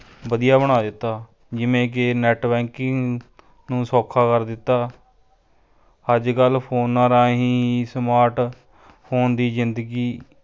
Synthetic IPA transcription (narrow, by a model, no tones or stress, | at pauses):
bəd̪ijaːbəɽ̃aːd̪ɪt̪ːaː | d͡ʒɪʋẽːk̬ɪnɛːʈbɛːŋkɪŋ | nũːsoːkʰːaːkəɾd̪ɪt̪ːaː | əd͡ʒkəlpʰoːnːãːɾãːɦĩːsmaːɾʈ | pʰoːnd̪iːzɪnd̪əɡiː